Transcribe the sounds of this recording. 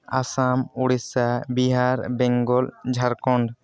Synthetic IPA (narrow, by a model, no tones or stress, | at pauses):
asamuɽisabiɦaɾbɛŋɡɔld͡ʒʱaɾkɔɳɖ